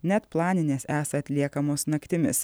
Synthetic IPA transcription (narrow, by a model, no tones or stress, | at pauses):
nʲɛt̪plˠɑːnʲɪnʲeːsæːsɐɐt̪ʲlʲiɛkɐmoːsnɐkt̪ʲɪmʲɪ̰s